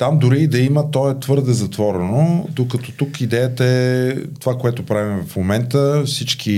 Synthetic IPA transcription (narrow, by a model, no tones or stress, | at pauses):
t̪amd̪ʊɾiːd̪ɐimət̪ɔɛt̪vɤɾd̪ɛzɐt̪vɔɾɛnod̪okɐt̪ɔt̪ukid̪ɛjət̪əɛt̪ovakoɛt̪ʊpɾavimvfmomɛnt̪əfsit͡ʃkʰi